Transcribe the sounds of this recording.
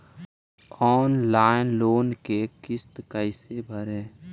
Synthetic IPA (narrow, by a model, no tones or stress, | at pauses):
ɔːnlaːɪnloːnkekɪst̪kəɪsebʱəɾɛ̃ː